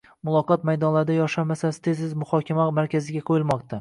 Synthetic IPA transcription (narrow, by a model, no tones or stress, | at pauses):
mʊlˠɒqʰɒt̪̚majd̪ɒnlaɾd̪ajɒʃamasasɪt̪ʰezɪzmʊhɒkʲʰamamaɾkʲʰazɪɡʲaqʰojɪlˠmɒq̚t̪ʰa